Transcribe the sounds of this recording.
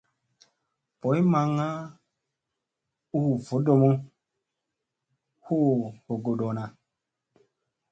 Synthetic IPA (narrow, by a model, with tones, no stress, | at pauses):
po˨˦jma˧ŋa˦ | u˦˨vo˨˦do˧mu˦ | hu˦ho˨ɡo˨do˨na˨